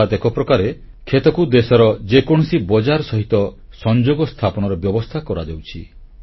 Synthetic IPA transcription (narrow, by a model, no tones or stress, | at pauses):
at̪ekɔpɾɔkaɾe | kʰet̪ɔkud̪esɔɾɔd͡ʒekɔɽ̃ɔsibɔd͡ʒaɾɔsɔɦit̪ɔ | sɔnd͡ʒoɡɔst̪ʰapɔñɔɾɔbjɔbɔst̪ʰakɔɾad͡ʒawt͡ʃʰi